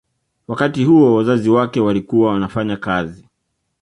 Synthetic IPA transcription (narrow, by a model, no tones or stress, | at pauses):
wakatihuɔwazaziwakɛwalikuwawanafaɲakazi